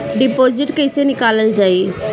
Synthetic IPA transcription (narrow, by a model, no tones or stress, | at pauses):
ɖɪpoːd͡ʒɪʈkeɪsenɪkaːləld͡ʒaːi